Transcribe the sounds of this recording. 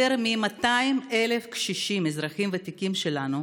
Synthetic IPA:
eɾmimat̪aime̞le̞fkʃiʃimezʁaχimvet̪ikimʃe̞lanu

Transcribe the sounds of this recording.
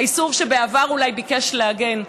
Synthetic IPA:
isuvʃebeavaʁulajbikeʃleaɡen

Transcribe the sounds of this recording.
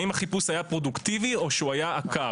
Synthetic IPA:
imhaχipusajapʁo̞dukt̪ivio̞ʃeuajaːka

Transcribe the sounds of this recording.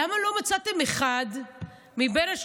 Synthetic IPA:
amalo̞mat͡sat̪emeχad̪ | mibenaʃ

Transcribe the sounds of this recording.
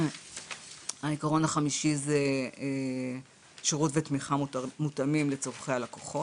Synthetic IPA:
aikaʁo̞naχamiʃize | ʃeʁutvetmiχamutamimlet͡soʁχealakoχo̞

